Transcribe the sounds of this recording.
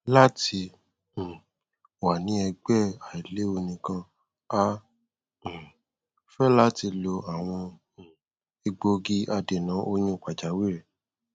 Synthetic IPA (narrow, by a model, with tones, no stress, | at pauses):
la˦tĩ˧˨ | wa˨nĩ˦ɛ˧ɡ͡bɛ˦˨a˨i˨le˨˦o˧nĩ˨kã˧ | ã˦˨ | fɛ˦la˦ti˧lo˧a˨w̃ɔ̃˧˨ | i˧ɡ͡bo˧ɡi˦ʔa˧de˨nã˨˦ʔo˧ɲ̃ũ˦˨k͡pa˨d͡ʒa˨˦wi˦ɾɛ˨